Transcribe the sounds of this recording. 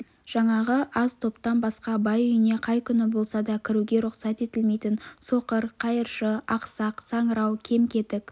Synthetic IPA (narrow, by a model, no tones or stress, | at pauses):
ʒ̥ɑɴɑʁəʔɑzt̪ʰo̞pt̪ɑnbɑsqɑbɑjʏjɪne̞qʰɑjkʲʰʏnɪbo̞lˠsɑd̪ɑkʲʰɪɾuɡʲe̞ɾʊqsɑt̪e̞t̪ɪlmejt̪ɪnso̞qəɾqʰɑjəɾʃəɑqsɑqsɑɴəɾɑwkʲʰe̞mkʲʰe̞t̪ɪk